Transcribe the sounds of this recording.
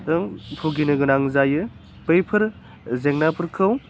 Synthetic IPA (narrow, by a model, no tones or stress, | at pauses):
tɐŋpʰuɡinɯɡɯnaŋzajɯ | pejpʰɯɾ | zeŋnapʰɯɾkʰɯw